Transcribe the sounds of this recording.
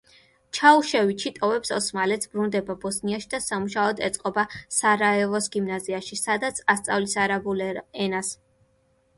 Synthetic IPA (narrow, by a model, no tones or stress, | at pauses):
t͡ʃʰauʃɛvit͡ʃʰit̪ʼɔvɛpsɔsmalɛt̪sʰbɾund̪ɛbabɔsniaʃid̪asamuʃaɔd̪ɛ̰t̪sʼqʼɔbasaɾaɛvɔsɡimnaziaʃisad̪at̪sʰast̪sʼa̰vlisaɾabulɛnas